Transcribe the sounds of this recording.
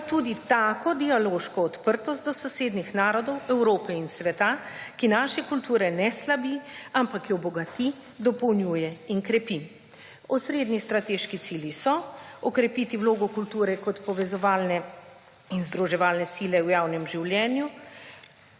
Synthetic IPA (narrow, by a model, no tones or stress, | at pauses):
t̪uːd̪it̪aːkɔd̪ialoːʃkɔːt̪pəɾt̪ɔst̪d̪ɔsɔseːd̪nixnaːɾɔd̪ɔwɛwɾoːpɛinsʋɛt̪akinaːʃɛkult̪uːɾɛnɛslabiampakjɔbɔɡat̪i | d̪ɔpɔwnjuːjɛinkɾɛpi | ɔsɾeːd̪nist̪ɾat̪eʃkit̪siljisɔɔkɾɛpit̪iwloːɡɔkult̪uːɾɛkɔt̪pɔʋɛzɔʋaːlnɛ | inzd̪ɾuʒɛʋaːlnɛsilɛwjaːwnɛmʒiwljɛːnju